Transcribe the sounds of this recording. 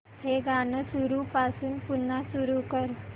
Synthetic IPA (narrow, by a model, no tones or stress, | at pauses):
heɡaːnəsuɾupaːsuːnpunːasuɾukəɾ